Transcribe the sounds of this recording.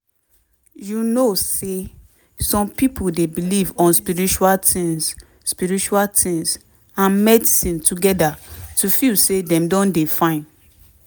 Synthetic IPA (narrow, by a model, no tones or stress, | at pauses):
junose | sɔ̃mpipʰuldebilivɔ̃nspiɹit͡ʃualtĩŋs | spiɹit͡ʃualtʰĩŋs | ãnmɛdisĩntuɡɛdatufilsedɛ̃mdɔ̃ndefãɪ̃n